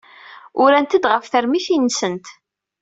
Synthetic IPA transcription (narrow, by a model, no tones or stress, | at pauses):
ʊɾænt̪əd̪ʁəfθəɾmiθinːsənt̪